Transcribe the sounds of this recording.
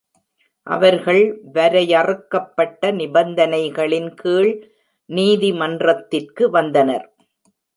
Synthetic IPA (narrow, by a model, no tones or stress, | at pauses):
ʔɐ̰ʋɐɾɣɐɭʋɐɾɐjɐrɯkːɐpːɐʈːɐnɪbɐnd̪ɐnɐɪɣɐɭɪnkiːɭ | niːðimɐndrɐt̪ːɪrkɯʋɐnd̪ɐnɐɾ